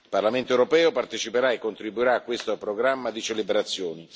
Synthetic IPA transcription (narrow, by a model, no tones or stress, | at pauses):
ilparlament̪oɛwɾopɛːopart̪et͡ʃipeɾaekːont̪ɾibːuiɾaːkːwest̪opɾoɡɾamːad̪it͡ʃelibeɾat̪sːjoːni